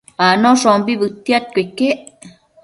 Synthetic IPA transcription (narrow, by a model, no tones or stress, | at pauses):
anõʂombiβɨt̪jat̪̚kʷekeʔ